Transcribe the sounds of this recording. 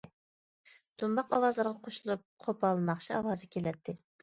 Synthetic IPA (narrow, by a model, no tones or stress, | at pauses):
t̪ʰumbɑqɑwɑzəlˠɑɾʁɑqʰoʃulˠup̚qʰopʰɑlˠɨmɑχt͡ʃʰiɑ̰wɑːzɨkʲʰelɛt̪ʰːɪ